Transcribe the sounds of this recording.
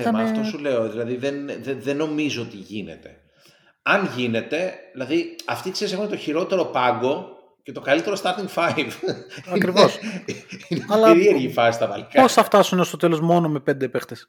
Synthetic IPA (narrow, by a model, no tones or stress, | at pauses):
mɐft̪ossule̞o̞ðilɐðiðenðeðenːo̞mizoot̪iʝine̞̰t̪e̞ | ɐnʝine̞t̪e̞ilɐðiɐft̪ikse̞ɾise̞xunet̪o̞çiɾo̞t̪e̞ɾo̞pɐŋɡo̞ | ce̞t̪o̞kɐlit̪e̞ɾost̪ɐt̪iŋɡfɐjvɐkɾivos | ineɐlɐɾieɾʝifɐsist̪ɐvɐlikpo̞sθɐft̪ɐsunest̪o̞t̪e̞lozmo̞nome̞pe̞nd̪epext̪es